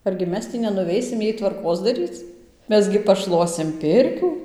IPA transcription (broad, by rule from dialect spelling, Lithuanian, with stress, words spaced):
ɐrʲɡʲɪ ˈmʲɛs tʲiː nʲɛnʊˈʋʲɛɪsʲɪm ˈjɛɪ tʋɐrˈkoːs dɐˈrʲiːt͡s ˈmʲɛs ɡʲɪ pɐˈʃlˠuɔsʲɪm ˈpʲɪrʲkʲuː